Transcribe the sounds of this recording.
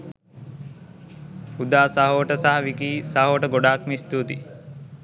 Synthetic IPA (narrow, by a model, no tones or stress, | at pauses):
ud̪aːsaɦəʋəʈəsaɦɐʋikiːsaɦəʋəʈəɡoɖaːkmist̪uːt̪i